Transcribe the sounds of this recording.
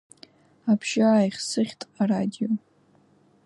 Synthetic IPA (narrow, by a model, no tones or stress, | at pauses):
apʰʃaːjχʲsɨχʲtʼaradʲijo